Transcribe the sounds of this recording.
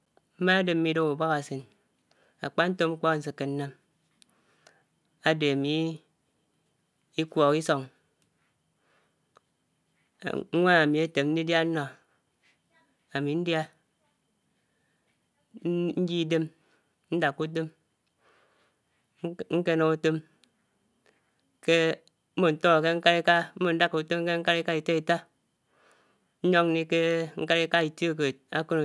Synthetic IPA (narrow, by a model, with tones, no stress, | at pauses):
m̩˦ma˦a˦de˨m̩˦mi˨˦do˦u˨ba˦ɣa˨sɨ˨n | a̰˨k͡pa˦n̩˦to˦mŋ͡m̩˦k͡pɔ˦kn̩˦sɨ˨kːe˨n̩˦na˦m | a˨de˨a˨mi˨ | i˦kʷɔ˨ki˦so˨ŋ˨˦ | ŋʷa˦a˨mi˨a˦te˨mn̩˦di˦dja˦n̩˦nɔ˨ | a˨mi˨n̩˦dja˦ | n̩˦d͡ʒi˦de˦m | n̩˦da˨kːu˦t̬e˦m | ŋ̩˦ke˦no˨u˦to˦m | ke˦ | m̩˦mo˨n̩˨to˦ŋa˨ke˦ŋ̩˦ka˦ɾi˦ka˦m̩˦mo˨n̩˦da˦ku˨to˦m˦ke˦ŋ̩˦ka˦ɾi˦ka˦i˨te˦i˨ta˦ | n̩˦ɲo˦ŋ˦ni˦ke˦ŋ̩˦ka˦ɾi˦ka˦i˨to˦˨k̬e˨a˦ko˦n˨